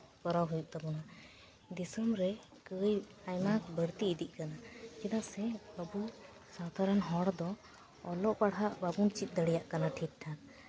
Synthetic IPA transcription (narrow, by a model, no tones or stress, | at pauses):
kɔɾawɦujuʔ̚t̪abɔna | d̪isəmɾɛ | kəjajmakbəɾt̪iːd̪iʔ̚ˀkanakid̪aʔsɛəbu | sad̪ʱaɾənɦɔɽd̪ɔ | ɔlɔʔpaɽɦaʔbabunt͡ʃit̪̚ˀd̪əɽɛjaʔkanaʈʰit̪̚ʈʰan